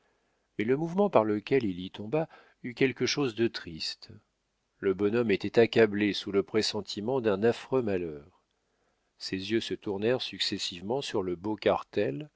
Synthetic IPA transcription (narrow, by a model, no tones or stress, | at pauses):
mɛləmuvmɑ̃paʁləkʲɛlilit̪ɔ̃ba | ykʲɛlkəʃozd̪ət̪χist̪ | ləbɔnɔmet̪ɛt̪akʲablesuləpχesɑ̃t̪ʰimɑ̃d̪ɛ̃nafχømalœːʁ | sezjøsət̪uʁnɛʁsyksesivmɑ̃syʁləbokaʁt̪ɛl